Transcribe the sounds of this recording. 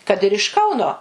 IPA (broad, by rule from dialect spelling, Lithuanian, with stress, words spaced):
kɐt ɪr ɪʃ ˈkɐʊnoː